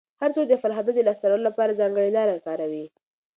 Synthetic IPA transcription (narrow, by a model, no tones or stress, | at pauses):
haɾt͡sod̪əfalɦad̪ad̪əlɑst̪aɾəlolapɑɾazɑŋɡəɽilɑɾakɑɾawi